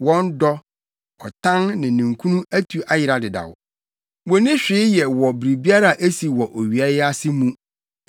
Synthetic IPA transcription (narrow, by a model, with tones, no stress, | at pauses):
wɔ̃˦n˦dɔ˦ | ɔ˨tʰã˦nnɪ̃˨nĩ˨ŋkʰũ˦nũ˦æ˦tʰu˨ʔa˦jɪ˨ɾa˨dɪ˨da̰˨w | wɔ˨nɪ̃˦ɕᶣɪ˨˦jɛ˨wɔ˨bɾi˨bi˦a˦ɾa˦˨ʔe˦si˨wɔ˨ʔo˨ɥi˨a˦ja˦sɪ˦mũ˦